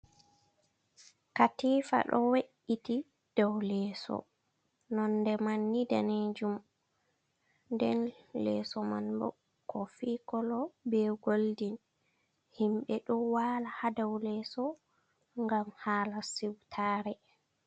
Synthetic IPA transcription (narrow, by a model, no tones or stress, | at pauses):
katiːfa̰ɗɔ̰weʔiti | d̥awlɛːsɔ̰ | nɔndɛmanːida̰ned͡ʒum | ndɛnlɛ̰ːsɔma̰nbɔ̰ | kɔfikɔlɔbɛɡoldin | himɓɛɗɔwaːlahadawlɛːsɔ | ŋɡamhaːlasiwtʰaːɾɛ